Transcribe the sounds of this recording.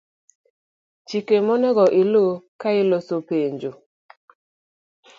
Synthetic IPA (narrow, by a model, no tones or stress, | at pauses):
t͡ʃikemɔnɛɡɔʔɪlokaɪlosopeɲd͡ʒo